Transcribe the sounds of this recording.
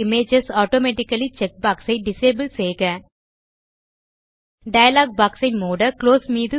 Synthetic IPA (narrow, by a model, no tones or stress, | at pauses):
ɪmeːd͡ʒɐsaːʈoːmeːʈɪkːɐlit͡ʃɛk̚baːksɐɪɖɪseːbəlseːɣɐ̃ː | ɖɐjɐlaːɡ̚baːksɐɪmoːɽɐkloːsmiːðɯ